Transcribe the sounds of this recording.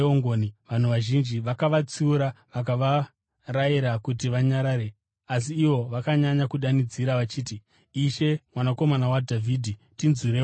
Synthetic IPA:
oŋɡoniʋan̤uʋaʒind͡ʒiʋakaʋat͡siuɾaʋak̬aʋa | raiɾakutiʋaɲaɾaːɾe | as̬iːʋo̞ʋakaɲaɲakuɗanid͡ziɾaʋat͡ʃiːtiː | ʃe̞mwanako̞manawadʱavʱiːdʱitinziɾe

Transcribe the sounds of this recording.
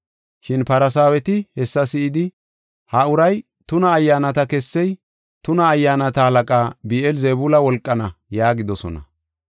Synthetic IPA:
ʃɪnpɐɾɐs̬aːwɛt̪ɪhɛsːɐsɪɪd̪ɪ | hɐʊɾɐj | t̪ʊnɐːjːaːnɐt̪ɐkɛsːɛj | t̪ʊnɐːjːaːnɐt̪ɐhɐlɐkʼaːbiːʔɛlzebulɐwɔlkʼːɐnɐjaːɡɪd̪ɔsɔ̰nɐ̰

